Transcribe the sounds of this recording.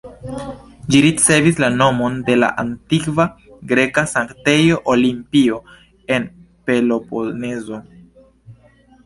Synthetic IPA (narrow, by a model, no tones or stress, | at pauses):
d͡ʒiɾit͡se̞vislano̞mo̞nde̞la̰ʔantikva | ɡɾe̞kasaŋkte̞jo̞ʔolimpio̞ | e̞n | pe̞lopone̞zo̞